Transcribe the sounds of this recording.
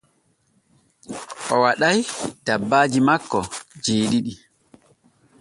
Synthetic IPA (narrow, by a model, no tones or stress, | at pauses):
ʔɔwaɗajtabːaːd͡ʒimakːɔd͡ʒeːɗiɗi